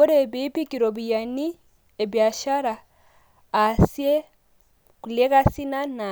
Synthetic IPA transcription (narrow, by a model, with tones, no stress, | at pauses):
ɔ˦ɾeβi˦pi˦ki˨ɾoβija˨ni˦ | e˨βja˨ʃa˦ɾaː | sie˦ | ku˨le˦ka˦si˦na˦na